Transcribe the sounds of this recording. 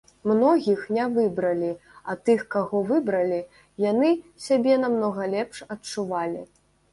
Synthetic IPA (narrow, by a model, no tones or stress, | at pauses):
mnɔɣʲixnʲɛvɨbɾɐlʲiɐt̪ɨxkaɣɔvɨbɾɐlʲi | janɨsʲabʲɛnamnɔɣɐlʲɛpʂɐt͡ʂuvalʲḭ